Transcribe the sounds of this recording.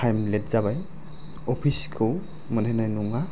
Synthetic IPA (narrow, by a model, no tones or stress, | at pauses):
ajmlɛtz̥abaj | ɔpʰiskʰɯw | mənɛnajnuŋa